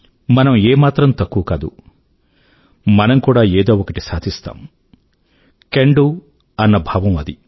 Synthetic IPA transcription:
mɐnɐmeːmaːt̪ɾɐmt̪ɐkːuʋɐkaːd̪ṵ | mɐnɐmkuːɽaːeːd̪oːokɐʈisaːd̪ʱist̪a̰ːm | keɳɖu | ɐnːɐbʱaːʋɐmɐd̪i

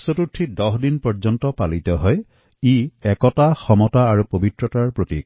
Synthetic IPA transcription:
sotutʰːidɔɦdinpɔɹzɔntɔpalit̪ɔɦɔj | iɛkɔtaxɔmɔtaːɹupobitɹɔtaɹpɹotḭk̚

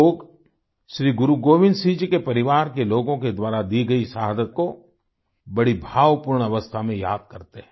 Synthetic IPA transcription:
oːɡ | ʃɾiːɡʊɾuɡoːʋɪ̃nd̪siːd͡ʒkepɐɾɪʋaːɾkeloːɡõked̪waːɾad̪iɡɐisaɦd̪ət̪̚ko | bɐɽibʱaːʋpʊːɾɳɐʋəst̪ʰamẽjaːd̪̚kɐɾt̪eɦɛ̃

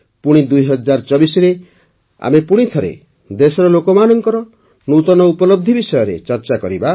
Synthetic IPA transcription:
puɽ̃id̪ujɦɔd͡ʒaɾt͡ʃɔbisɔɾe | a̰mepuɽ̃it̪ʰɔɾḛ | d̪esɔɾɔlokɔmanɔŋkɔɾɔ | nut̪ɔnɔupɔlɔb̚d̪ʱibisɔjɔɾḛt͡ʃɔɾt͡ʃakɔɾiba

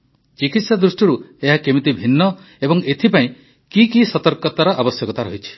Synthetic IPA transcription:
t͡ʃikit̪sad̪ɾusʈiɾueɦakemit̪ibʱinːɔ | ebɔŋet̪ʰipaĩ | kikisɔt̪ɔɾkɔt̪aɾɔʔabɔsjɔkɔt̪aɾɔɦit͡ʃʰi̥

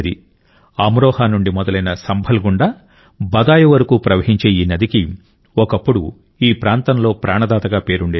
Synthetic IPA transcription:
d̪i | ɐmɾɔːhaːnuɳɖimɔd̪ɐlɐjnɐsɐmbʱɐlɡuɳɖaː | bɐd̪aːjɐʋɐɾɐkuːpɾɐʋɐɦiɲt͡ʃeːjiːnɐd̪iki | ɔkɐpːuɽu | iːpɾaːnt̪ɐnlo̞ːpɾaːɳɐd̪aːt̪ɐɡaːpe̞ːɾuɳɖeː

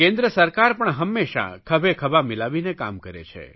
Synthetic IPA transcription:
kẽnd̪ɾəsəɾkaɾpəɳɦəmːeʃa̰kʰəbekʰəbamɪlaʋineka̰mkəɾḛt͡ʃʰḛ

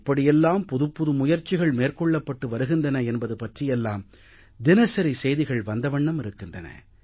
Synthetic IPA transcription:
pːɐɽɪjɛlːaːmpɔðɯpːʊðɯmʊjɐɾt͡ʃːɪɣɐɭmeːrkɔɭːɐpːɐʈːɯʋɐɾɯɣɯndrɐnɐɛnbɐðɯpɐʈrɪjɛlːaːm | d̪ɪnɐsɐɾisɛjðɪɣɐɭʋɐnd̪ɐʋɐɳːɐmɪɾɯkːɪndrɐnɐ̰

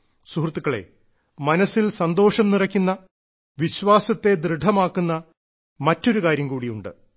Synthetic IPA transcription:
suhrt̪ːukːɐɭe̞̰ | mɐnɐsilsɐnd̪o̞ːʂɐmnirɐkʲːunːɐ | ʋiɕʋaːsɐt̪ːe̞d̪ɾɨɖʱɐmaːkːunːɐ | mɐtːo̞ɾukaːɾjɐmkuːɽijuɳɖɨ̰

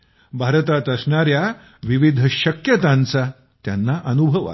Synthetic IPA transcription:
bʱaɾt̪at̪əsɳaɾja | ʋiʋid̪ʱəɕəkjət̪ãnt͡sa | t̪janːaʔənubʱəʋa̰

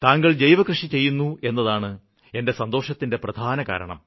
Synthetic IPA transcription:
t̪aːŋɡɐɭd͡ʑejʋɐkrɨʂit͡ɕe̞jːunːue̞nːɐðaːɳɨ | e̞nde̞sɐnd̪o̞ːʂɐt̪ːinde̞prɐd̪ʱaːnɐka̰ːɾɐ̰ɳɐ̰m

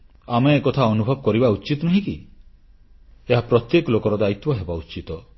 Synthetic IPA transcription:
ameːkɔt̪ʰaɔnubʱɔb̚kɔɾibaut͡ʃit̪ɔnɔɦĩki | eɦapɾɔt̪jekɔlokɔɾɔd̪ait̪wɔɦebaut͡ʃit̪ɔ

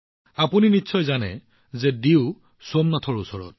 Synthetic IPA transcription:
apuninitːsʰɔjzanɛ̰ | zɛdiʊ | somnatʰɔɹusɔɹɔ̰t̚

